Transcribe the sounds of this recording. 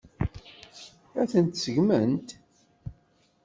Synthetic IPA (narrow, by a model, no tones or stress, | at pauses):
æθənt̪səʝmənt̪